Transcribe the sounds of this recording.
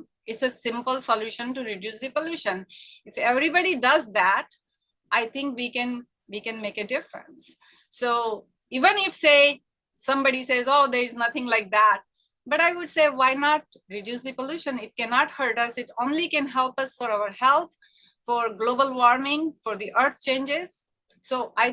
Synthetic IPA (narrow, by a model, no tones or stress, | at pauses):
ɪʈsesɪ̃mpəlsəljuʃə̃nʈuɾɪɖjuːsd̪ipoluːʃə̃nɪfɛʋɾibɑɖiɖʌzd̪æʈ | ʔaɪt̪ʰɪ̃ŋkʋikɛ̃n | ʋikɛ̃nmeːkɨɖɪfɾə̰̃nsː | o | iːʋə̃nɪfse | sʌ̃mbɑɖiseːzoːd̪eɾɪznʌt̪ʰɪ̃ŋlaɪk̚d̪æʈ̚ | bʌʈaɪʋʊɖseːwaɪnɔʈ̚ | ɾɪɖjusd̪ipoluːʃə̃nɪʈ̚kɛnɑʈhəɾʈʌsɪʈõːnlikɛ̃nɦɛlpʌsfɔɾaʊəɾhɛlt̪̚ʰ | fɔɾɡloːbəlʋɔɾmɪ̃ŋfɔɾd̪iʔəɾt̪̚ʰt͡ʃẽːnd͡ʒɪz̥ | soːʔaɪ